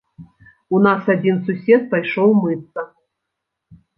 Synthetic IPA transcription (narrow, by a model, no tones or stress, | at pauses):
unɑsadʲinsusʲet̪̚pajʂowˠmɨt̪ːə